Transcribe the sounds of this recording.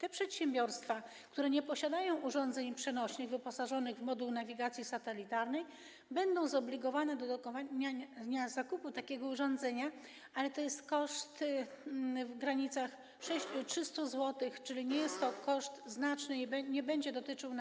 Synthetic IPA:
t̪ɛpʂɛt̪ɕɛmbʲjɔɾst̪fa | kt̪uɾɛɲɛpɔɕad̪ajɔ̃w̃ʔuʐɔnd̪zɛɲpʂɛnɔɕnɘɣvɘpɔsaʐɔnɘɣvmɔd̪ulnavʲiɡat̪sʲjisat̪ɛlʲit̪aɾnɛj | bɛnd̪ɔ̃w̃zɔblʲiɡɔvanɛd̪ɔd̪ɔkɔvaɲaɲazakuput̪akʲɛɡɔuʐɔnd̪zɛɲa | alɛt̪ɔjɛst̪kɔʂt̪ | vɡɾaɲit̪sax | ʂɛɕt͡ɕutʂɘst̪uzwɔt̪ɘxt͡ʂɘlʲiɲɛjɛst̪ːɔkɔʂt̪znat͡ʂnɘbɲɛbɛɲd͡ʑɛd̪ɔt̪ɘt͡ʂɘw̪

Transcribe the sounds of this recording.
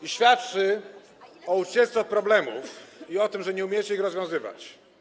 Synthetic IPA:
iɕfʲjat̪t͡ʂɘ | ɔut͡ɕɛst̪ɔpɾɔblɛmṵfiɔt̪ɘmʐɛɲɛumʲjɛt͡ɕɛixɾɔzvjɔ̃w̃zɘva̰t͡ɕ

